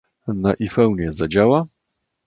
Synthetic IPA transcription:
naʔifɛwɲɛzad͡ʑawa

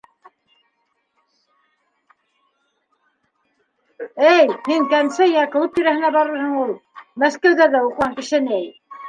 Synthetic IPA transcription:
ɘjmiŋkænsɘjækɘ̆ɤp̪̚t̪iɾæhɘ̆næbɑɾɤ̆ɾhɤ̆ɴulˠmæskæwðæðæuqʁɑŋkɘ̆ʃɘ̆nɘæj

